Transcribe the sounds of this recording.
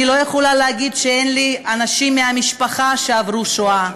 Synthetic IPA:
ilo̞jeχolaleaɡid̪ʃeenlianaʃimːeamiʃpaχaʃeavʁuʃoa

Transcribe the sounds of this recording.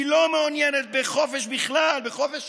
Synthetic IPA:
ilo̞meonjenet̪̚beχo̞feʃbiχlalbeχo̞feʃ

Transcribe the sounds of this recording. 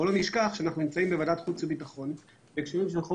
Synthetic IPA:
oloniʃkaχʃeanaχnunimt͡saimbevadat̪χut͡sebit̪aχo̞n | vekʃeʁimʃ̬elχo

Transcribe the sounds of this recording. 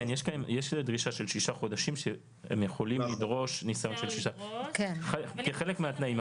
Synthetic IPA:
njeʃkaemjeʃdʁiʃaʃe̞lʃiʃaχo̞daʃimʃe | ḛmjeχo̞limlid̪ʁo̞ʃnisajo̞nʃelʃiʃakenχekeχelekmeat̪naim

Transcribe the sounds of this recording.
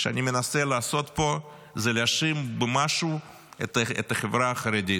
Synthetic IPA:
ʃea̰nʲimenaselaːso̞t̪po̞ | zeleaʃimbemaʃu | et̪ḛt̪aχevɾaːχɐɾed̪ʲi

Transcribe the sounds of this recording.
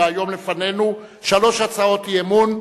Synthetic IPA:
ajo̞mlefane̞nu | ʃalo̞ʃat͡sao̞t̪jemun

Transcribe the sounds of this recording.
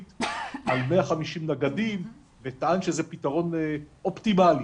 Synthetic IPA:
t̪almeaχamiʃimnaɡadim | vetaanʃezepitaʁo̞nʔo̞ptimali

